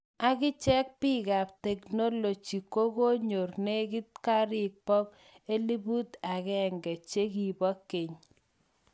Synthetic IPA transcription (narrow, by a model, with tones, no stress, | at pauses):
a˦kɪ˦t͡ʃɛ˦k̚pɪ˦ka˨p̚tɛ˨kno˦lo˨t͡ʃi˨ko˦ko˦ɲo˨rne˦ki˦t̚ka˦ɾɪ˦k̚pɔ˦k | e˦li˦bu˦t̪a˨kɛ˦ŋɡɛ˨t͡ʃe˦ki˨bɔ˦ke˨ɲ